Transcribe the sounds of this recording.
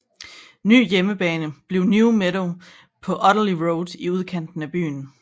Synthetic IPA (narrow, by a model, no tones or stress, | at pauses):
ny̰ːjeməb̥ɛːnəb̥le̝ʊnjumeɾo | pʰɒ̽ʔɒ̽ɾəliʁoʊd̥iuð̞ˠkʰæn̰d̥n̩æb̥y̰ːn̩